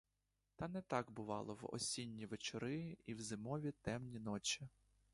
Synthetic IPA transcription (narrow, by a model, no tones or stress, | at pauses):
t̪ɑnɛt̪ɑɡbʊʋɑlˠɔwɔ̰sʲinʲːiʋet͡ʃɔɾɪiwzɪmɔʋʲit̪ɛmnʲinɔt͡ʃʲi